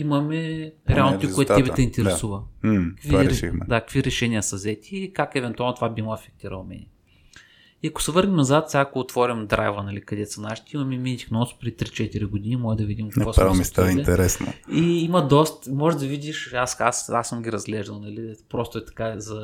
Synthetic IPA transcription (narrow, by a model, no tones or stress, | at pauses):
imɐmɛɾɛalˠnot̪ikɛt̪ɛbɛt̪ɛint̪ɛɾɛsuvəkkviɾɛɾʃixmd̪akə̥kviɾɛʃɛnʲiəsɐzɛt̪ʲiːkakɛvɛnt̪ualˠnot̪ovabimˠəɐfɛk̚t̪iɾə̰lˠmɛ̰nɛ | iɐkʊ̥sɛvɤɾnimnɐzat̪fsʲakkoːt̪vɔɾʲimd̪ɾʔa̰jvənɐlikɐd̪ɛsɐnaʃi̥t̪ɛimɐmɛminit̪ʲixnɔspɾɛd̪it̪ɾit͡ʃɛt̪iɾiɡʊd̪ʲinimɔlɛd̪ɐvid̪imkknvɔsɾamist̪ainɛt̪ɛɾɛsno̰iimɐd̪ɔst̪mɔʒɛd̪ɐvid̪ʲiʃasasasːəmɡʲiɾɐzɡlɛʒd̪ɐlˠnɐlipɾost̪ʊɛt̪ɐ̥kazɐ